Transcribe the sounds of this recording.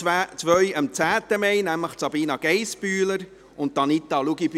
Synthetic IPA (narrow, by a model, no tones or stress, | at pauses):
t͡sʋœɥəmt͡sæːt̪əmɛjnæmləχtsɑbiːnɑɡ̥ɛɪspyːləɾ | ʊnt̚d̥̪ɑnit̪ːɑluɡib